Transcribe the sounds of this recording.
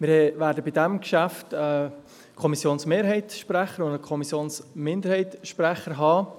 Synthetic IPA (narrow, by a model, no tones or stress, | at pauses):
mɪɾɛʋæːɾdəbidæmkʃæftɛ | kʰɔmisjoːnsmeːɾɦɛɪtʃpɾæχəɾʊndəkʰɔmisjoːnsmɪnd̪əɾhɛɪtʃpɾɛχəɾɦɑː